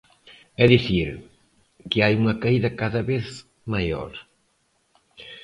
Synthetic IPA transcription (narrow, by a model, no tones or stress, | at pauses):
ɛðiθiɾ | kɪajuŋɐkaiðɐkaðɐβeθ | majo̰ɾ